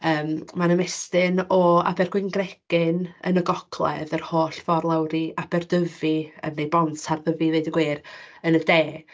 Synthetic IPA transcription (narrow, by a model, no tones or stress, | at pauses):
əːmmanəmɛstɪnɔa̰bɛrɡwɪnɡrɛɡ̥ɪnə̰nəɡɔkʰlˠɛ̰ðərhoːɬfɔrlˠawɾiab̥ɛrdəviə̰nːejbɔntʰarðəvivejdəɡweːrənədeː